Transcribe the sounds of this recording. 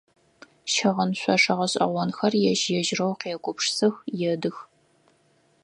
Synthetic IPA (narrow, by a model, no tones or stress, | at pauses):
ʃɐʁɐnɕʷɐʂɐʁɐɕʼɐ̰ʁʷɔnxɐrjɛʒjɛʒrɐwqeːkʷʼʊpʂsɨxjɛdɨx